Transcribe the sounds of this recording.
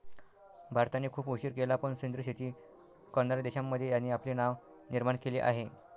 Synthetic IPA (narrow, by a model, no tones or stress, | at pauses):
bʱaɾt̪anːiːkʰuːpuɕiːɾkelapəɳsind̪ɾəɕʰit̪iː | kənaɾd̪eɕamːəd̪ʱːjejanːiːapliːnaʋ | niɾmaɳkelḭːʔa̰ɦe